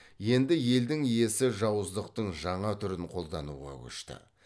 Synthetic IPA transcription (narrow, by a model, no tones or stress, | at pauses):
je̞nd̪ɪje̞ld̪ɪŋije̞sɪʒɑwəzd̪əqt̪əɴʒɑɴɑt̪ʰʏɾɪɴqʰo̞lˠd̪ɑnṵʁɑ̰kʲʰɵ̰ʃt̪ɪ̰